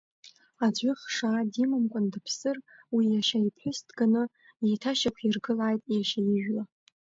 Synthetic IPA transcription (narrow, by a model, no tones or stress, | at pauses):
aʏχʂaːdimɨmkʷʼʊndɨpʰsɨrwijaʃaipʰħʷʊstʰɡanɨ | jejtʰaʃakʷʰirɡɨlaːjtʼjaʃajɪʒᶣla